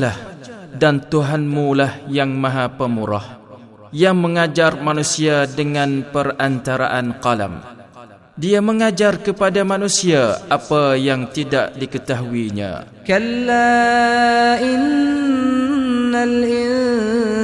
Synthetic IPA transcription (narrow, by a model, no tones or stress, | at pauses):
lahdant̪uɦanmulahjaŋmãɦapəmuɾa̰h | jaŋməŋad͡ʒarmanusiadəŋãnpərant̪aɾa̰ʔanqala̰m | diaməŋad͡ʒarkəpadamanusiaapajaŋt̪idaʔdikət̪aɦuiɲã̰ | kalːa | ʔɪn | alʔɪn